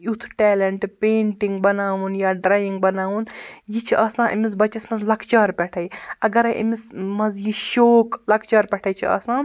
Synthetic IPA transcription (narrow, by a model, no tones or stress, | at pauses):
ut̪ʰʈɛːlɐɳʈpeːɳʈiŋɡ̚bɐnaːʋunjaːɖɾaːjiŋɡ̚bɐnaːʋunjit͡ʃʰiʔɐsãːʔḭmis̬bɐt͡ʃːɐsmɐzlɐkt͡ʃaːɾpʲɛʈʰɐjɐɡɐɾʔḭmismɐzjiʃoːklɐkʰt͡ʃaːɾpʲɛʈʰɐjt͡ʃʰiɐ̰sãː